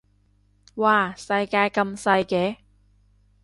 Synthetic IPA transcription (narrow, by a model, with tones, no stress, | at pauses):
waː˧˩sɐ˧jkaː˧jkɐ˧msɐ˧jkɛː˨˥